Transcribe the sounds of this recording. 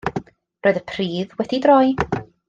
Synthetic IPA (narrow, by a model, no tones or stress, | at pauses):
roːɨðəpʰriːðwɛdidrɔj